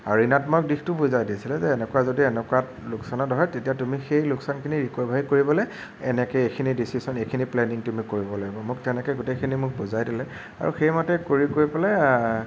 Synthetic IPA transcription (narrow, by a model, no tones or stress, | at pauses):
aɹinatmɔjɔk̚dixtʊbuzajdisilɛzɛːnɛkuwazodiɛnɛkuat | lʊksanɔtɔɦɔjtetijatumixejlʊksankʰiniɹikwɛbʱaɹikoɹibɔlɛ | ɛnɛkɛekʰinidisisɔnekʰiniplɛniŋtumikoɹibɔlaɡibɔmʊk̚tɛnɛkɔɡutekʰinimʊk̚buzajdilɛ | a̰ɹṵxejmɔtɛkoɹikoɹipɔlɛ